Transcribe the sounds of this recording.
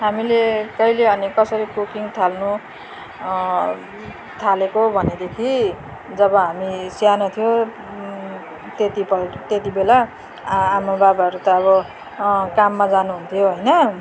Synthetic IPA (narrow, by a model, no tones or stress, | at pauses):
ɦamilekʌileʌnikʌsʌɾikukiŋt̪ʰalnu | t̪ʰalekobʱʌned̪ekʰi | d͡zʌbʌɦamisianut̪ʰijo | t̪et̪ipʌlt̪et̪ibelaː | mababaɦʌɾut̪ʌːβʌ | kamːad͡zanuɦunt̪ʰijoɦojnʌ